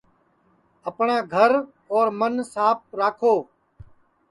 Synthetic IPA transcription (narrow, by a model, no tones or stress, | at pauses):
əpɳãːɡʱəɾ | ɔːɾmənsaːp̚ɾaːkʰoː